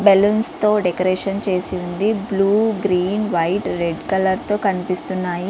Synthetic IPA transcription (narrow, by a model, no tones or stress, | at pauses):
bɛlɐnst̪o̞ːɖekoɾeːʂɐnt͡ʃe̞ːsiund̪ibluːɡɾiːnʋɐjʈɾeɖkɐlɐɾt̪o̞ːkɐnipist̪unːaːji